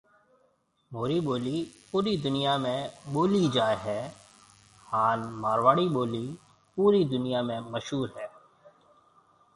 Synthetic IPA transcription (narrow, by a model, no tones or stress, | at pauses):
moːɾiboːlipuːɾid̪ʊnijamẽboːlid͡ʒaːeɦɛː | haːnmaːɾʋaːɽiboːli | puːɾid̪ʊnijamẽməʃɦuːɾɦɛː